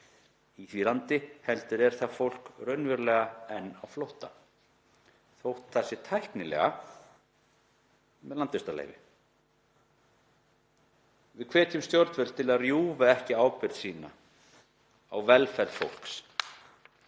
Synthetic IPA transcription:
iθviɾlant̪ɪhɛlt̪ʏɾɛɾ̥θafowl̥krœɥnvʏɾlɛːɣaɛnːawflowht̪a̰ | θowht̪θasɪt̪ʰajhknɪlɛ̰ɣa̰ | mɛðlant̪ɪst̪alḛjvɪ̰ | vɪðkʰvɛːt̪jʏmst̪jɔɾt̪vɛɾlt̪ʰɪlaðrjuːvaɛhcɪaːwpɪɾðsiːna̰ | awvɛlfɛɾlfowl̥ks

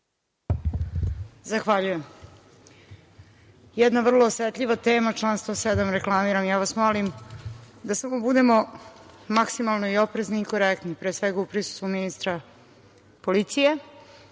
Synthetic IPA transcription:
zaxʋaʎuje̞m | jɛd̪naʋr̩lˠoːsʋet̪ʎʲiʋat̪eːmat͡ʃlˠaːnst̪vosed̪amɾe̞klˠamiɾamjaːʋasmolim | d̪asamo̞bud̪e̞mo̞ | maksimalˠnoio̞pɾezniːko̞ɾekt̪nipɾeːsʋeɡaupɾisu̥st̪ʋuminist̪ɾa | polit̪sije̞

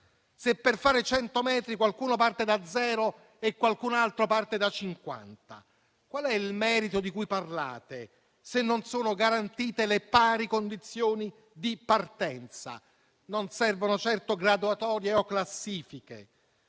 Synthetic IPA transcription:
sepːerfaːɾet͡ʃɛnt̪omɛːt̪ɾikwalkuːnopart̪ed̪ad̪zːɛːɾo | ekːwalkunalt̪ɾopart̪ed̪at͡ʃːiŋkwa̰nt̪a̰ | kwalɛilmɛːɾit̪od̪ikujparla̰ːt̪e | senːonsoːnoɡaɾant̪iːt̪elepaːɾikond̪it̪sːjoːni | d̪ipart̪ɛnt̪sa̰ | nonsɛrvonot͡ʃɛrt̪oɡɾad̪uat̪ɔːɾjeɔkːlasːiːfikḛ

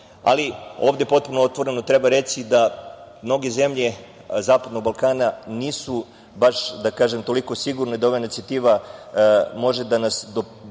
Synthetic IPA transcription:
a̰lio̞ːʋd̪epo̞t̪̚punoot̪ʋo̞ɾe̞not̪ɾe̞baɾe̞t͡ʃ̪id̪amno̞ɡe̞ze̞mʎe̞ | zaːpad̪no̞ɡ̚balˠkaːnaniːsu | baʃd̪akaːʒemt̪o̞liko̞siɡuɾned̪aoʋainit̪siat̪iːʋa | mo̞ʒe̞d̪anasd̪o

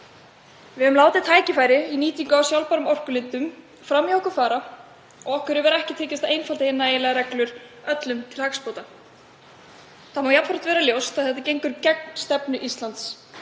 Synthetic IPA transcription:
vɪʏmlaːwt̪ɪt̪ʰaːjcɪfaːjɾɪiniːt̪iŋkʏawsjawlpaɾʏmɔr̥kʏlɪnt̪ʏm | fɾamjowkʏfaːɾa | ɔɣɔhkʏɾɪvɛɾaɛhcɪt̪ʰɛːcɪst̪aejnfalt̪ɪɪnːaejɪlɛɣaɾɛklʏɾœt̪lʏmt̪ʰɪlhakspowt̪a | θaðmawjap̪faɾt̪vɛːɾaljowst̪aðθɛht̪acejŋkʏɾcɛk̚n̥st̪ɛpnʏʔist̪lant̪s

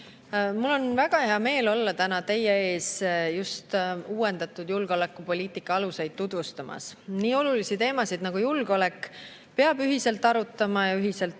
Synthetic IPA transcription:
mulːo̞nvæɡ̥ɑhe̞ɑme̞ːlo̞lːɑt̪ænɑt̪e̞jee̞ːsjust̪uːwe̞nd̪̥ɑt̪ːˑud̪julɡ̥o̞le̞kːˑupo̞lʲiːt̪ikːˑɑɑluse̞jd̪̥̚t̪ud̪̥vust̪ɑmʔɑ̰sniːo̞lulisit̪e̞ːmɑsid̪̥nɑɡ̥ujulɡ̥o̞le̞kːˑ | pe̞ɑb̥yɦise̞lt̪ːˑɑɾut̪ːˑɑmɑjɑyɦise̞lt̪

